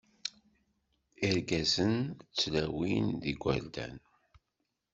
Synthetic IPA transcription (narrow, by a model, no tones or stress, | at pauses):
iɾɡæzənt͡sːlæwinðiɡʷə̰ɾd̪æ̰n